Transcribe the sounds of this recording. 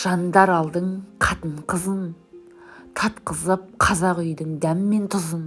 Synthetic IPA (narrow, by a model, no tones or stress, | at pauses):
ʒ̥ɑnd̪ɑɾɑlˠd̪əɴqʰɑt̪əɴqʰəzən | t̪ʰɑt̪qəzəp̚qʰɑzɑqʏjd̪ɪŋd̪æmɪme̞nt̪ʰʊzən